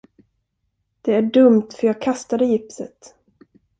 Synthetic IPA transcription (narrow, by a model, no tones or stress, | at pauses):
d̪̥ɛæɖɵmt̪fœɾjɑːɡ̚kʰast̪ad̪əjɪpsə̰t̪